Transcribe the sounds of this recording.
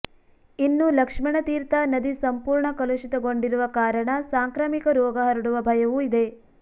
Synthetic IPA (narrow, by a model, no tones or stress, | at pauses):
inːulɐkʂmɐɳɐt̪iːɾt̪ɐnɐd̪isɐmpuːɾɳɐkɐluʃit̪ɐɡoɳɖiɾuʋɐkaːɾɐɳɐsaːŋkɾaːmikɐɾɔːɡɐɦɐɾiɽuʋɐbʱɐjɐʋuid̪e̞